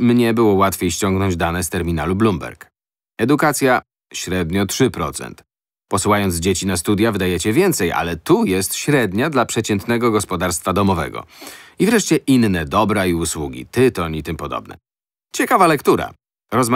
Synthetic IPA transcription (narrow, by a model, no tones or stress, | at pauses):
mɲɛbɘwɔwat̪fʲjejɕt͡ɕɔŋɡnɔɲd͡ʑd̪anɛst̪ɛɾmʲinalublumbɛ̰ɾk | ɛd̪ukat̪sʲja | ɕɾɛd̪ɲɔtʂɘpɾɔt̪sɛ̰nt̪ | pɔsuwajɔnd̪zd͡ʑet͡ɕinast̪ud̪ʲjavɘd̪ajɛt͡ɕɛvʲjɛnt̪sɛja̰lɛt̪ujɛst̪ɕɾɛd̪ɲad̪lapʂɛt͡ɕɛnt̪nɛɡɔɡɔspɔd̪aɾst̪fad̪ɔmɔvɛ̰ɡɔ̰ivɾɛʂt͡ɕɛʔinːɛd̪ɔbɾaiuswuɡʲḭt̪ɘt̪ɔɲit̪ɘmpɔd̪ɔ̰bnɛ̰ | t͡ɕɛkavalɛkt̪uɾa̰ | ɾɔzm